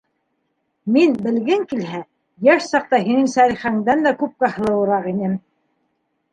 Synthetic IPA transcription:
minbɘ̆lɡɘŋkilɦæ | jæʃsɑq̚t̪ɑhinɘŋsæɾiχæŋd̪ænd̪ækʉp̚kæhɤ̆lˠɤ̆wɤ̆ɾɑʁinɘm

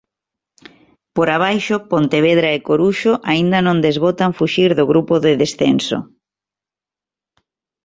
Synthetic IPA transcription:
poɾaβ̞ajʃopont̪eβeðɾaekoɾuʃoʔaind̪ɐnõnd̪ezβot̪aɱfuʃiɾðoɣɾupoðeðesθḛnso̰

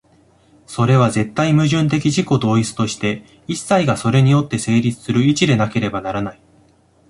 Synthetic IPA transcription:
so̞ɾe̞β̞aze̞t̪ːaimɯ̟ʑɨ̃nt̪̬e̞kʲiʑiko̞d̪o̞ːit͡sɨ̥t̪o̞ɕi̥t̪e̞ | isːaiɡaso̞ɾe̞ɲ̟ijo̞t̪ːe̞se̞ːɾʲit͡sɨ̥sɨɾɯ̟it͡ɕid̪e̞nake̞ɾe̞banaɾanai

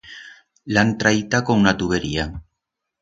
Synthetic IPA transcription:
lant̪ɾajt̪akoŋunat̪uβeɾia

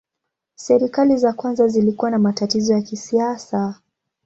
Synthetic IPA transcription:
sɛɾikalizakwanzazilikuwanamatatizɔjakisiasa

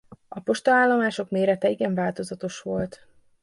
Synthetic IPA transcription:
ɒpo̞ʃt̪olaːlːomaːʃo̞kmeːɾɛt̪ɛiɡɛɱvaːlt̪o̞zɒt̪o̞ʃʋo̞lt̪

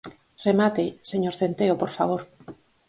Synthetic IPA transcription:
remat̪eseɲoɾθent̪eopoɾfaβ̞oɾ

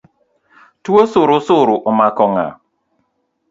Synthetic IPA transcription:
twosʊɾʊsʊɾʊʔomakɔŋa̰

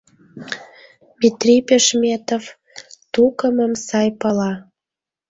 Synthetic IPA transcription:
mʲit̪ripeʃmʲet̪ov | t̪ukəməmsɑjpɑlɑ

